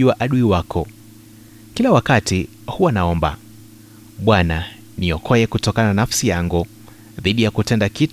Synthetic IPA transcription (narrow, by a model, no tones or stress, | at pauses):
uwaʔaɗuiwakʰɔ | kilawakati | huwanaɔmba̰ | ɓwana | niɔkʰɔjɛkutɔkananafsijaŋɡu | ðiɗijakutɛndakit